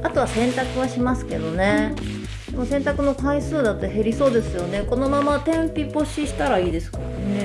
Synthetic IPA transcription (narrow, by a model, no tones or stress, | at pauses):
at̪o̞βasẽ̞nt̪akɯ̟βaɕimasɨ̥ke̞d̪o̞ne̞ | d̪emo̞sẽ̞nt̪akɯ̟no̞kaisɨːd̪at̪ːe̞ɦe̞ɾʲiso̞ːd̪e̞sɨjo̞ne̞ko̞no̞mamat̪ẽ̞mpʲipo̞ɕiɕi̥t̪aɾaiːd̪e̞sɨ̥kaɾane̞